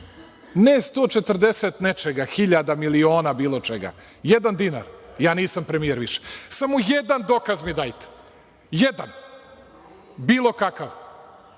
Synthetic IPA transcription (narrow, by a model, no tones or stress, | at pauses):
nest̪oːt͡ʃet̪r̩d̪eset̪net͡ʃeɡaxiʎad̪amilioːnabiːlˠo̞t͡ʃeɡa̰ | jed̪and̪ina̰ɾjaːniːsampɾemijeɾʋiʃe̥samojed̪and̪okazmid̪aːjt̪e̥ | jed̪an | biːlˠo̞kakaʋ